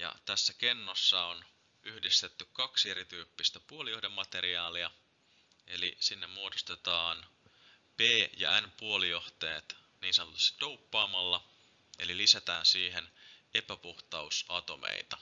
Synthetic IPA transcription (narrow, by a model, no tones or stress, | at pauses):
jɑ̰t̪æsːæke̞nːosːɑon | yhdist̪et̪ːykkɑkseɾit̪yːpːist̪æpuolijohde̞mːɑt̪e̞ɾiɑːliɑ | e̞lisinːemmuo̞dost̪et̪ɑːn | peːjɑ̰ænpuo̞lijo̞ht̪ḛːt̪ | niːnsɑnot̪u̥st̪ɑ̥d̥̪ouwpːɑːmɑlːɑ | e̞̰lilisæt̪æːnsiːɦe̞ne̞pæpuht̪ɑusɑt̪o̞mʔḛit̪ɑ